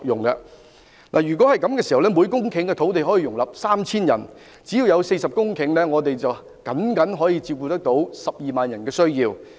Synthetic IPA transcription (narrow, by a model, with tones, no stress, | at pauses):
jʊ˨˩ŋkɐ̰˧ | na̰ː˨˩jyː˨˩k̬wɔ˨˥hɐ˨jkɐ˨˥mkɛː˧si˨hɐ˨˩wlɛ˥muː˨˧jkʊ˥ŋkʰɪ˨˥ŋkɛ˧t̪ʰo˨˥wt̪̬e˨jɦɔː˨˥ji˧jʊ˨˩ŋlɐ˨p̚saː˥mt͡sʰiː˥njɐ̰˨˩n | t͡si˨˥jiː˧wjɐ˨˧wse˧jsɐ˨p̚kʊ˥ŋkʰɪ˨˥ŋlɛː˥ŋɔː˨˧t̪e˨jt͡sɐ˨w | kɐ˨˥nkɐ˨˥nɦɔː˨˥jiː˧t͡siː˧wkuː˧t̪ɐ˥k̚t̪o˨˥wsɐ˨p̚jiː˨maː˨njɐ˨˩nkɛː˧sɵ˥ɥjiː˧w